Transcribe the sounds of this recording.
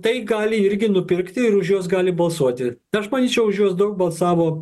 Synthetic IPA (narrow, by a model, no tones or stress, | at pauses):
t̪ɐɪɡɑːlʲɪɪɾʲɡʲɪnʊpʲɪɾkt̪ʲɪɪɾʊʃjuɔsɡɑːlʲɪbɐlˠsuɔt̪ʲɪɐʃmɐnʲiːt͡ʃʲɛʊʊʃjuɔsd̪ɐʊk̚bɐlˠsɑːʋoː